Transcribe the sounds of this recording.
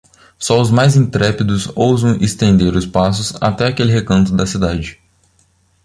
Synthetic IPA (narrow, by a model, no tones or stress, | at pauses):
sɔʊzmajzĩnt̪ɾɛpid̪ʊsowzɐ̃w̃ʔest̪ẽnd̪eɾʊspasʊsa̰t̪ɛakelɪɦekɐ̃nt̪ʊd̪ɐsid̪ad͡ʒɪ